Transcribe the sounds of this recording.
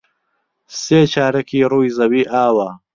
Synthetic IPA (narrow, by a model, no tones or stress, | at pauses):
seːt͡ʃaːɾɐkiːɾuːjzɐwiːʔaːwɐ